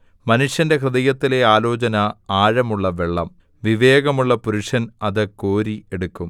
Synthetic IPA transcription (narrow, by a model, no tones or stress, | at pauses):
mɐnuʂjɐnde̞krɨðɐjɐt̪ːile̞aːlo̞ːt͡ɕɐnɐaːɻɐmuɭːɐʋe̞ɭːɐ̰m | ʋiʋe̞ːɣɐmuɭːɐpuɾuʂɐnɐðɨko̞ːɾie̞ɽukːum